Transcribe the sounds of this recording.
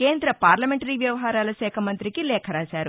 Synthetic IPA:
ke̞ːnd̪ɾɐpaːɾlɐmeɳʈɐɾiːʋjɐʋɐɦaːɾaːlɐsɛːkʰɐmɐnt̪ɾikilɛːkʰɐɾaːsaːɾu

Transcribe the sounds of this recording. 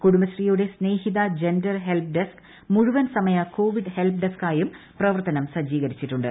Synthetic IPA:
kuɽumbɐsrijuɽe̞sne̞ːhiðɐd͡ʑe̞ndɐrɦe̞lp̚ɖesk | muɻuʋɐnsɐmɐjɐko̞ːʋiɖɨhe̞lp̚ɖeskaːjum | prɐʋɐrt̪ɐnɐmsɐd͡ʑiːɣɐɾit͡ɕːiʈːuɳɖɨ

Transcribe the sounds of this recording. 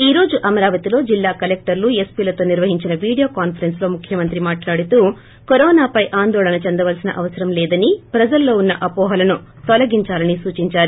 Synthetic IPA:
iːɾo̞ːd͡ʒuʔɐmɐɾaːʋɐt̪ilo̞ːd͡ʒilːaːkɐlek̚ʈɐɾluespiːlɐt̪o̞ːniɾʋɐɦiɲt͡ʃinɐʋiːɽijoːkaːnpʰɐɾenslo̞ːmukʰjɐmɐnt̪ɾimaːʈlaːɽit̪uː | koɾɔːnaːpɐjʔaːnd̪ɔːɭɐnɐt͡ʃend̪ɐʋɐlsinɐ̰ʔɐʋɐsɐɾɐmlɛːd̪ɐnipɾɐd͡ʒɐlːo̞ːunːɐʔɐpɔːɦɐlɐnu | t̪ɔlɐɡiɲt͡ʃaːlɐnisuːt͡ʃiɲt͡ʃaːɾu

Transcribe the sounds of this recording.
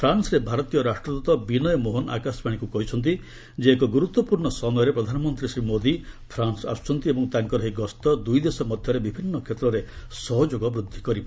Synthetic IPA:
pʰɾansɔɾebʱaɾɔt̪ijɔɾaʂʈɾɔd̪ut̪ɔbinɔjɔmoɦona̰kaspaɽ̃ikukɔɦit͡ʃʰɔnt̪̬i | d͡ʒeːkɔɡuɾut̪wɔpuɾɳɔsɔmɔjɔɾepɾɔd̪ʱanɔmɔnt̪ɾisɾimod̪ipʰɾansa̰st͡ʃʰɔnt̪iebɔŋt̪aŋkɔɾɔɦeɡɔst̪ɔd̪ujd̪esɔmɔd̪ʱjɔɾebibʱinːɔkʰet̪ɾɔɾesɔɦɔd͡ʒoɡɔbɾud̪ʱːikɔɾipa

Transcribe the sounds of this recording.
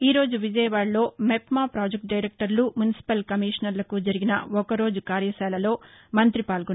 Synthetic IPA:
iːɾo̞ːd͡ʒuʋid͡ʒɐjɐʋaːɽlo̞ːmepmaːpɾaːd͡ʒek̚ʈ̚ɖɐjɾek̚ʈɐɾlumjunisi̥pɐlkɐmiːʂɐnɐɾlɐkud͡ʒɐɾiɡinɐ̰ɔkɐɾo̞ːd͡ʒukaːɾjɐsɛːlɐlo̞ːmɐnt̪ɾipaːlɡu

